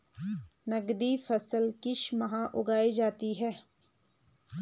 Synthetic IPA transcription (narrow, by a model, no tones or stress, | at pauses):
nəɡd̪ifʰɐsəlkɪʃmɐɦãʔʊɡaːid͡ʒaːt̪iɦɛː